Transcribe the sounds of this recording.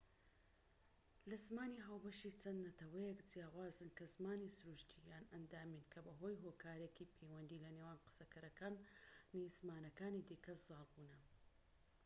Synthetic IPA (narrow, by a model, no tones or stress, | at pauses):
lɐzmaːniːɦaːwbɐʃit͡sʰɐnd̪nɐt̪ɐwɐjɛkd͡zijaːwaːzɨnkɐzmaːnisʊɾuʃt̪ʰijaːnɐnd̪aːminkʰɐbɐɦo̞jɦokʰaːɾekipʰejwɐnd̪iːlɐnewaːnqɨ̥sɐkʰɐɾɐkaːnːizmaːnɐkaːnid̪iːkʰɐzɑːlˠbuːnɐ